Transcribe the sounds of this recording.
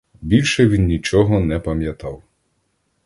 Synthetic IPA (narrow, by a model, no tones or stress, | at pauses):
bʲilʲʃɛʋʲinːʲit͡ʃɔɦɔnɛpɐmʲjɐt̪ɑw